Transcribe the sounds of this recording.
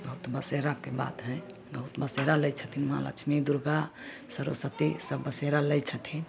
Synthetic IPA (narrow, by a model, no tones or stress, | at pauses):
bəɦut̪bəseɾakeba̰d̪ɦɛ̃ | bəɦut̪bəseɾaləjt͡ʃʰət̪ʰinmɦa̰lə̰t͡ʃʰmid̪uɾɡa | səɾosət̪isəbːəseɾaləjt͡ʃʰət̪ʰin